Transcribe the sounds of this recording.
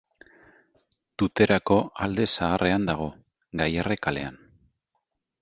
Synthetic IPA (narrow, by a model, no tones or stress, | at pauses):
t̪ut̪e̞ɾako̞ald̪e̞saːre̞and̪aɣ̞o̞ | ɡajare̞kale̞̰an